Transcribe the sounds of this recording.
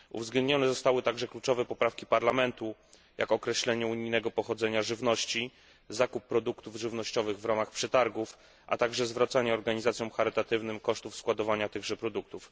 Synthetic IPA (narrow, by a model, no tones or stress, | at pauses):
ṵvzɡlɛnd̪ɲɔnɛzɔst̪awɘt̪aɡʐɛklut͡ʂɔvɛpɔpɾafkʲipaɾlamɛnt̪u | jʔa̰kɔkɾɛɕlɛɲɛuɲijnɛɡɔpɔxɔd̪zɛɲaʐɘvnɔɕt͡ɕi | zakupːɾɔd̪ukt̪uvʐɘvn̪ɔɕt͡ɕɔvɘɣvɾamaxpʂɛt̪aɾɡuf | ʔa̰t̪aɡʐɛzvɾat̪saɲɛɔɾɡaɲizat̪sʲjɔ̃w̃xaɾɘt̪at̪ɘvnɘmkɔʂt̪ufskwad̪ɔvaɲat̪ɘɣʐɛpɾɔd̪uk̚t̪uf